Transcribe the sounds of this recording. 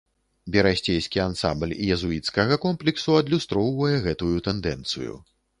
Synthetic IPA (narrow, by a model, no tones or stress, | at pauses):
bʲɛɾasʲt͡sʲejskʲiansa̰mblʲijɛzuit̪skɐɣɐkɔmplʲiksuɐd̪lʲust̪ɾɔwvɐjɛɣɛt̪ujut̪ɛnd̪ɛnt̪sɨ̰jṵ